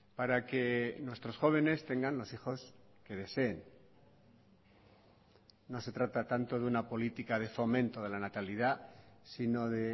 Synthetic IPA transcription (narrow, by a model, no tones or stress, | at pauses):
paɾake̞nwe̞st̪ɾo̞sxo̞β̞e̞ne̞st̪e̞ŋɡanlo̞sixo̞ske̞ð̞e̞se̞ːn | o̞se̞t̪ɾat̪at̪ant̪o̞ðeunapo̞lit̪ikað̞e̞fo̞mẽ̞nt̪o̞ð̞e̞lanat̪aliðasino̞ðe̞